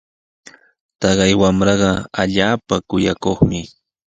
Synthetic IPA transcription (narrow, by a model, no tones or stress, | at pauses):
t̪ɑɢɑjwamɾɑɢɑaʎaːpakʊjakoχmɪ